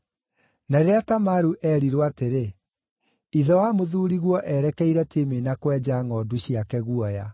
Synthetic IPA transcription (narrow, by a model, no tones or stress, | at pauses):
naɾeɾeatamaɾuʔɛɾiɾwateɾe | iðɔwamoðuːɾiɣwɔʔɛɾɛkɛiɾɛtemenakwɛd͡ʑaːŋɔduɕiakɛɣuɔja̰